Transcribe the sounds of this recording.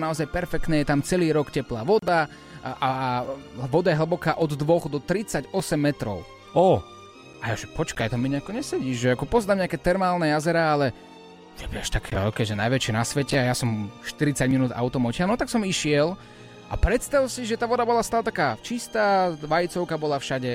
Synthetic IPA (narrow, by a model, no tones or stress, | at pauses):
naɔzajpɛɾfɛk̚t̪nɛːjɛt̪amt͡sɛliːɾɔkcɛplaːʋɔd̪a | a | ʋɔd̪ajɛɦl̩bɔkaːʔɔd̪d̪ʋɔɣd̪ɔt̪ɾit͡saɟɔsɛmːɛt̪ɾɔ̰ʊ | ɔ | ajaʒɛpɔt͡ʃkajt̪amːiɲɛakɔɲɛsɛɟiːʒʒɛakɔpɔzd̪aːmɲɛakɛːt̪ɛɾmaːlˠnɛjazɛɾaːalɛ | ʒɛʋɛ̰ʃt̪akʰɛ̰ːɔ̰kɛːʒɛnajʋɛt͡ʃɪɛnasʋɛcɛajasɔmʃt̪iɾit͡saɟminuːd̪a̰ʊt̪ɔmɔcɪanɔt̪aksɔmiʃɪɛl | ʔa̰pɾɛt̪st̪aʋsiʒɛt̪aːʋɔd̪abɔlast̪aːlɛt̪akaːt͡ʃist̪aːʋajit͡sɔʊkabɔlafʃaɟɛ